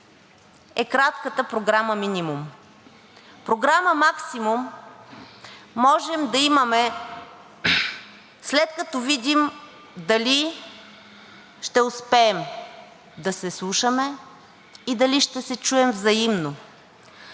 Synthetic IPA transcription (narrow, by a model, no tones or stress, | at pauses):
ɛkɾat̪kət̪əpɾoɡɾaməminʲimum | pɾoɡɾaməmaksimum | ɔʒɛmd̪ɐimɐmɛ | slɛt̪kɐt̪ɔvid̪ʲim | d̪ɐli | ʃt̪ɛʊspɛːm | d̪ɐsɛslˠuʃəmɛ | id̪ɐliʃt̪ɛsɛt͡ʃuɛmvzɐimno